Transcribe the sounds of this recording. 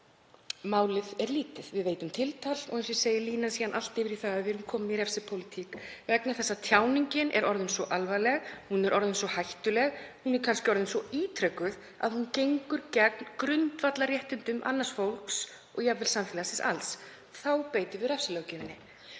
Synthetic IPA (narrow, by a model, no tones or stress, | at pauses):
maːwlɪðɛɾliːt̪ɪðvɪðveːjt̪ʏmt̪ʰɪlt̪ʰal̥ɔ̰ɣens̬ɛseːjɪliːnansiːðanʔal̥t̪ɪvɪɾiθaːðaðvɪɾumkʰɔːmɪmiɾɛfsɪpʰowlɪt̪ʰikvɛknaθɛsːat̪ʰjaːwniɲcɪnʔɛ̰ɾɔɾðʏnsɔʔalvajlɛɣhunɛɾʔɔɾðʏnsvɔhajht̪ʏlɛɣhunɛɾ̥kʰanscɪɔɾðʏnsɔiːt̪ʰɾœkːʏð | a̰ðhuncejŋkʏɾcɛknkɾʏnt̪vat̪larjɛht̪ʏnt̪ʏmʔa̰nːasfowlks | ɔɣjavɪlsamfɪlasɪsa̰ls | θawpeːjt̪ɪvɪɾɛfsɪlœːwcɪmɪnːɪ